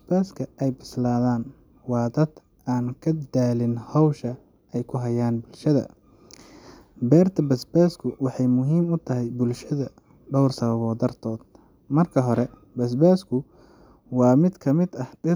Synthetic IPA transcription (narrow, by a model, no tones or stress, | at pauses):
sbaːskʰɐɛjbɪslaːðaːn | wɑːd̪ɐd̪ | aːnkʰɐd̪aːlɪnhɔwʃɐ | ɛjkʰʊɦɐjaːnbʊlʃɐðɐ̰ | bɛːrt̪ʰɐbɐsbaːskʰʊwɑħɑjmʊɦiːmʊt̪ʰɐɦɛjbʊlʃɐðɐ | ɖɔwrsɐβɐβɔːd̪ɐrt̪ʰɔːd̪̥̚ | mɐrkʰɐɦɔɾɛ | bɐs̬baːskʰʊ | wɑːmɪd̪kʰɐmɪd̪ɐhɖɪ